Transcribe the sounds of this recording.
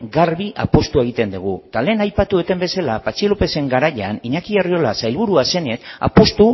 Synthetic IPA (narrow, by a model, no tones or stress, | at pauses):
ɡaɾβiʔa̰po̞st̪ue̞ɣ̞it̪e̞nd̪uɣ̞ut̪ale̞ːnajpat̪uet̪embe̞salapat͡ʃilope̞se̞ŋɡaɾaʎaniɲakiɣario̞lasajlβuɾuase̞ne̞t̪a̰po̞st̪u